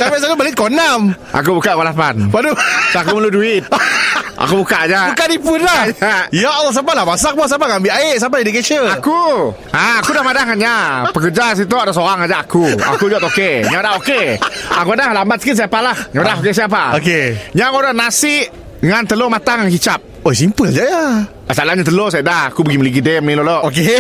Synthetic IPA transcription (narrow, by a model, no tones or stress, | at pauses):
kabaʔs̬at̪ubalit̪̚konamʔa̰k̬ubukaʔkolapanpaduakuməluduɪt̪̚a̰kubukaʔad͡ʒabukanipʊnlaaijaʔlːɔs̬apalahmas̬ak̚pɔsapakaŋbiʔaɪʔs̬ap̬adidiket͡ʃəaku | aakudahmadahkanɲapəkəd͡ʒas̬it̪̬oadas̬oɾaŋad͡ʒaʔakua̰kud͡ʒɔt̪okeɲãdahokeakuadahlambat̪sə̥kit̪s̬ajapalahɲãadahokes̬ajap̬aokeɲaŋoɾanasɪʔ | ŋant̪əlomat̪aŋaŋkit͡ʃap̚osimpəld͡ʒaja | asalahɲat̪əlosajadahakubəɡiməliɡidɛmiloloʔoke